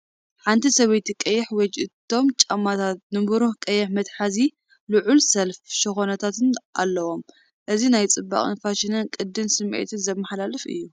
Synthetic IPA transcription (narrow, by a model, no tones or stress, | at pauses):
ħant̪ʰisɐβɐjt̪ʰikʼɐjːɛħwɔd͡ʒʔɨt̪ʰːo̞mt͡ʃʼɐmːat̪ʰat̪̚nɨmɾukʼɐjːɛħmɐt̪ħazi | luʕulsɐlfʃɪxonɐt̪ʰat̪ɨnʔa̰lːɐwo̞m | ʔɨzinajt͡sʼɨbːa̰χʼɨ̰nfaʃɪnɨnkʼɨd̪ːɨnsɨmʕḛt̪ʰɨnzɐmːɐħlalɨfɨ̰jːu